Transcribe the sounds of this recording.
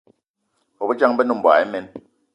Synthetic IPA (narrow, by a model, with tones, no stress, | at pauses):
o˨bu˦t͡ʃa˦ŋ˦bɛ˦nu˦˨m̩˨bwa̰˨ɛ˦mɛ˦n